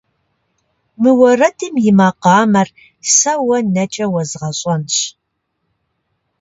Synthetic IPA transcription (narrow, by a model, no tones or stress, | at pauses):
mɨwɐrɐtʰɨmjɪmaːqɑːmɐr | sɐwɐnɐt͡ʃʼɐwɐzʁɐɕʼɐnɕ